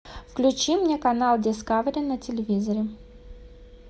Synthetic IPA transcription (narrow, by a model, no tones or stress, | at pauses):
fklʲʉt͡ɕimnʲekɐnalˠdʲɪskavɾʲɪənətʲɪlʲɪvʲizəɾʲɪ